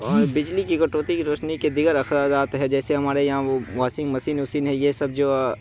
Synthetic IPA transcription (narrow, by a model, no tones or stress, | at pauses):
ɔːɾbɪd͡ʒlikikɐʈoːt̪ikiɾoːʃniked̪ɪɡəɾɐxɾaːd͡ʒ̪aːt̪ɦɛd͡ʒɛːseɦɐmaːɾejɐɦãʋaːsɪ̃ŋɡmɐsiːnʊsiːnɦɛjesɐb̚d͡ʒoː